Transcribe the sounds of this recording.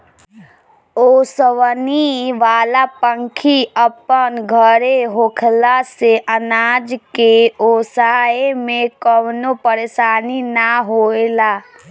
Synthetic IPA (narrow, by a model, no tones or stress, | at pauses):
oːsəʋniʋaːlapə̃ŋkʰiəpənɡʱəɾeɦokʰlaseʔənaːd͡ʒkeoːsaːemẽkəwnopəɾeːʃaːninaɦoːelaː